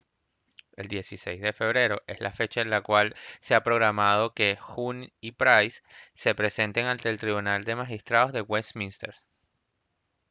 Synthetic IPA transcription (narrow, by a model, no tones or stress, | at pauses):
e̞̰ld̪je̞sise̞̰jzðe̞fe̞β̞ɾe̞ɾo̞ʔe̞slafe̞t͡ʃaenlakwalse̞apɾo̞ɣɾamað̞o̞ke̞xunipɾajsːe̞pɾe̞se̞nt̪e̞ŋãnt̪e̞ːlt̪ɾiβunald̪e̞maxist̪ɾaðozðe̞ɣwesmĩnst̪eɾs